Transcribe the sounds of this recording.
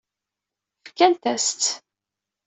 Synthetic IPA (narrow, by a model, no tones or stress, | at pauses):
fkːænt̪æst̪